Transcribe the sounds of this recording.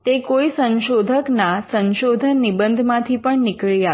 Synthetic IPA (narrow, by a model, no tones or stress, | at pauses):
t̪ekoisə̃nʃod̪ʱəknasənʃod̪ʱənibənd̪ʱmãt̪ʰipəɳnɪkɭija